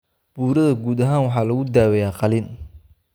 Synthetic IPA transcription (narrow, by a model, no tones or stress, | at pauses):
b̥uːɾɐðɐɡuːd̪ɐɦaːnwɑħɑːlɐɣʊd̪aːwɛjaːqɑliːn